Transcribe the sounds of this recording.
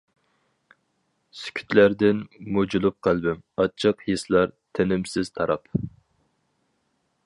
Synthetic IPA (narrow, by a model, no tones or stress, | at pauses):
sy̥kʲʰy̥t̪læɾd̪ɪnmod͡ʒulˠup̚qʰælˠbɪŋɑt͡ʃʰːɨqjeslˠɑɾt̪ʰenɪmsɪz̥t̪ʰɑɾɑp